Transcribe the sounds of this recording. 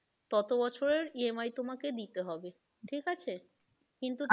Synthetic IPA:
t̪ɔt̪obɔt͡ɕʰoɾeɾiemajt̪omaked̪it̪eɦɔbe | ʈʰikat͡ɕʰe | kint̪u

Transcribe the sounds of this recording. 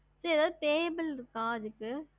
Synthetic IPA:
sɐɾiɐðaːðɯʈeːbɪlkaːd͡ʒɯkːɯ

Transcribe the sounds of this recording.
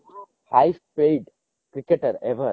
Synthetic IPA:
haɪspejɖ | kɾɪkeʈəɾeʋəɾ

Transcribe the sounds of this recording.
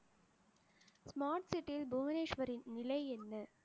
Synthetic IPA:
smaːɾʈsɪʈːɪlbumɐneːʂʋɐɾɪnːɪlɐɪɛnːɐ

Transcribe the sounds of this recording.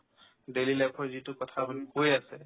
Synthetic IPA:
delilɛpʰɔɹzitukɔtʰabʱɔnikojasɛ

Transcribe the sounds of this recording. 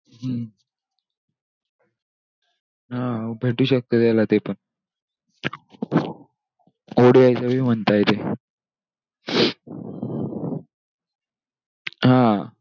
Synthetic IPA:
ɦə | ɦãbʱeʈuːɕək̚t̪əːt̪jalat̪epəɳ | oɽiajt͡saʋiːm̤əɳt̪ajt̪e | ɦã

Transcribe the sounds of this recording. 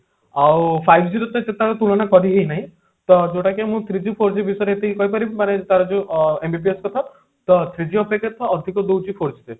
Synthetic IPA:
awpʰajbʱd͡ʒiɾɔt̪ɔset̪aɾɔt̪uɭɔnakɔɾiɦejnaɦĩ | t̪ɔd͡ʒoʈakemũt̪ʰɾid͡ʒipʰoɾd͡ʒibisɔjɾeet̪ʰiikɔjpɔɾibimanet̪aɾɔd͡ʒũembʱipieskɔt̪ʰa | t̪ɔt̪ʰɾid͡ʒiɔpeket̪ʰɔːd̪ʱikɔd̪owd͡ʒipʰoɾd͡ʒit̪e

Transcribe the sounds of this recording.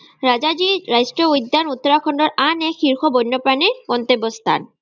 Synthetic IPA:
ɹazad͡ʒiɹajstɔujd̪ːanut̪ːɔɹakʰɔndɔɹʔanɛkʰːiɹxʰɔbɔjnːɔpɹanikɔnt̪ebɔst̪ʰa̰n

